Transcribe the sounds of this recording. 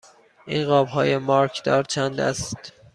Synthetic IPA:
ʔiːnɢɒːbɦɒːjemɒɾkʰd̪ɒːɾt͡ʃʰænd̪æ̰st̪

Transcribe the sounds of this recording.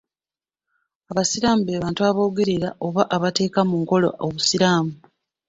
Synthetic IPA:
aβasiɾaːmubeːβaːntuaβo̞ːɡeɾiɾaʔo̞βaʔaβate̞ːkamuŋko̞lo̰ʔoβusiɾaːmu

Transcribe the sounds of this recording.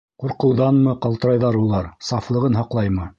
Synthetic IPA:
quɾqɤ̆wðɑnmɤqɑlˠt̪ɤ̆ɾɑjðɑɾulˠɑɾsɑflˠɤ̆ʁɤnɦɑqlˠɑjmɤ

